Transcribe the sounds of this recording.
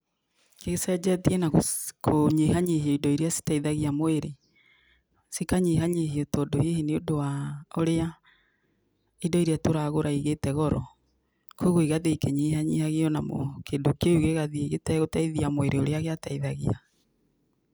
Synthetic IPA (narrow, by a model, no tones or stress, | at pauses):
keɣsɛd͡ʒɛtienakʰoɲeɦaɲehiɔidɔiɾeasi̥taiðaɣiamoeɾe | sikaɲeɦaɲehiɔtɔdoheheneodowaoɾea | idɔiɾeatoɾaɣoɾʔaiɣetɛɣɔɾɔ | koɣoiɣaðekeɲeɦaɲḭhaɣeɔnamo̰kedokouɣeɣaðieɣetɛɣotaiðiamoeɾʔeoɾeaɣeataiðaɣia